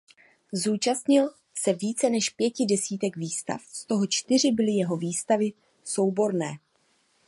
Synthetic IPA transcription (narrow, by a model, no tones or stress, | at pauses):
zuːt͡ʃast̪ɲɪl | sɛviːt͡sɛnɛʃpjɛcɪdɛsiːt̪ɛɡviːst̪a̰fst̪o̞ɦo̞t͡ʃt̪ɪr̝ɪbɪlɪjɛɦo̞viːst̪avɪ | so̞wbo̞ɾnɛː